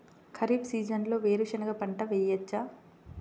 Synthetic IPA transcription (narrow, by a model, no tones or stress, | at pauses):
kʰɐɾiːbsiːd͡ʒɐnlo̞ːʋeːɾuʂɐnɐɡɐpɐɳʈɐʋejɐt͡ʃːa